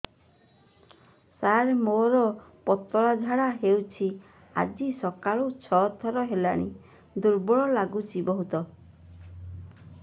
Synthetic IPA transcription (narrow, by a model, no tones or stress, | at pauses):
saɾmoɾɔpɔt̪ɔɭad͡ʒʱaɽaɦewt͡ʃʰi | a̰d͡ʒisɔkaɭot͡ʃʰɔt̪ʰɔɾɔɦelaɽ̃ḭ | d̪uɾbɔɭɔlaɡut͡ʃʰibɔɦut̪ɔ